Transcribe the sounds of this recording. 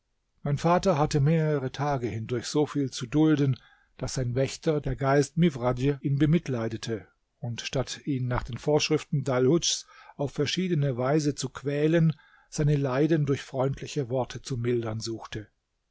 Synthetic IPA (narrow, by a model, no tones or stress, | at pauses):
maɪnfaːtɐɦatəmeːʁəʁətʰaːɡəhɪndʊɐçz̥oːfiːlt͡sudʊldən | d̥asz̥aɪnvɛçtɐdeːɐɡaɪstmivʁadəʔiːnbəmɪtlaɪdətʰə | ʊntʃtatiːnːaːχd̥eːnfoːɐʃʁ̥ɪftn̩dalhʊt͡ʃsaʊfːɛɐʃiːdənəvaɪzət͡sukʰv̥ɛːlən | z̥aɪnəlaɪdəndʊɐçfʁ̥ɔʏntʰlɪçəvɔɐtʰət͡sumɪldɐnzuːxtʰə